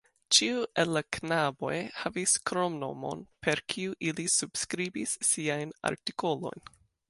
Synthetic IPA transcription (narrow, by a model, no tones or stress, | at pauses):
t͡ʃiuʔelːaknabo̞̰jhaviskɾo̞mno̞̰mo̞̰npe̞ɾkʰiuʔilisub̥skɾibisːiajna̰ɾtiko̞lo̞̰jn